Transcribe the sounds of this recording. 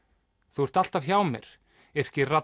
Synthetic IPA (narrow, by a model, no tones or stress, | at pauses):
θuɛɾ̥t̪al̥t̪avçaːwmɛ̰ɾ̥ | ɛɾ̥cɪra